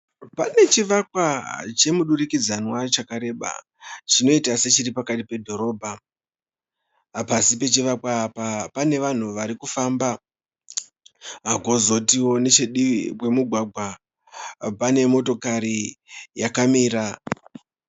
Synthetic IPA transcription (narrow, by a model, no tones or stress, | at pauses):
pane̞t͡ʃiʋakwat͡ʃe̞muɗurikid͡zanwat͡ʃakaɾe̞ɓa̰ | t͡ʃino̞itase̞t͡ʃiɾipakatipe̞dʱo̞ɾo̞ːbʱa | pasipe̞t͡ʃiʋakwapapane̞ʋan̤uʋaɾikufamba | ɦako̞zo̞tiwo̞ne̞t͡ʃeɗiwe̞muɡʱwaɡʱwa | pane̞mo̞to̞kaɾijakamiːɾa